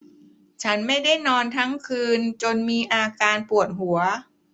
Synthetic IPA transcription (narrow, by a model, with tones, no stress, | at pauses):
t͡ɕʰa˦˥nma˥˩jda˥˩jnɔː˧nt̪ʰa˦˥ŋkʰɯː˧nt͡ɕo˧nmiː˧ʔaː˧kaː˧npu˨˩ət̪̚ɦu˩˦ɐ